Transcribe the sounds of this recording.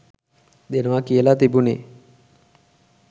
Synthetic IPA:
d̪enəʋakijəlat̪ibune

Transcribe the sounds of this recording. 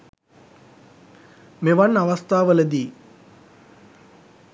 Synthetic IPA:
meʋɐnːɐʋɐst̪ʰaːʋəlɐd̪iː

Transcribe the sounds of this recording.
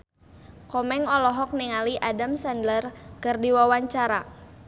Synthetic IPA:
kɔmɛŋɔlɔɦɔk̚niŋaliʔadamsandlərkərdiwawaɲt͡ʃaɾa

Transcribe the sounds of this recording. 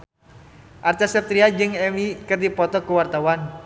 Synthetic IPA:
ʔart̪ɛsɛp̚t̪ɾiad͡ʒɨŋɛmikərd̪ipɔt̪ɔkuwart̪awan

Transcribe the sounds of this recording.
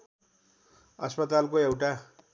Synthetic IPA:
ʌspʌt̪alkoewʈa

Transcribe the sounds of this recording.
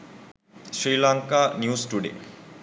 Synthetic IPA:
sɾiːlaŋkanjusʈuɖḛ

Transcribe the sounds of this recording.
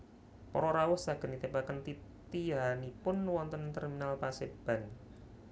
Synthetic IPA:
pɔ̰ɾɔɾawʊhsaɡ̥ə̤nit̪ebakənt̪it̪iɦanipʊnwɔnt̪ənt̪ɛrminalpaseb̥a̤n

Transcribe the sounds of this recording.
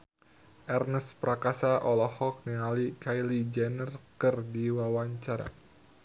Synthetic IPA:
ʔɛrnəspɾakasaʔɔlɔhɔk̚niŋalikajlid͡ʒɛnərkɨrdiwawaɲt͡ʃaɾa̰

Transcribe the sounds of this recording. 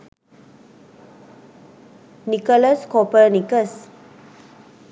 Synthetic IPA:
nikələskɔpənikəs

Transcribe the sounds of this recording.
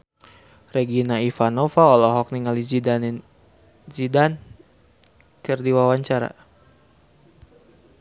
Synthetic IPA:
rɛɡinaifanɔfaɔlɔɦɔk̚niŋali | d͡ʒidan | kɨrdiwawaɲt͡ʃaɾa̰

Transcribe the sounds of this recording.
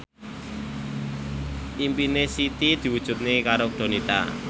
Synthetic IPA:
ʔimpinesit̪id̪̥i̤wud̥ʒ̥ṳt̪̚nekaɾok̚ɖ̪̥o̤nit̪a̰

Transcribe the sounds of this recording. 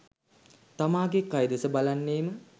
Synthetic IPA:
t̪amaːɡekajd̪esəbalanːeːmə

